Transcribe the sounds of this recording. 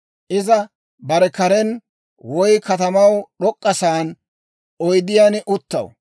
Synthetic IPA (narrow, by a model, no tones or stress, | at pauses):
ʔɪzɐ | bɐɾɛkɐɾɛn | wɔjkɐt̪ɐmɐwɗɔkʼːɐsaːn | ɔjd̪ɪjaːnʔʊt̪ːɐ̰w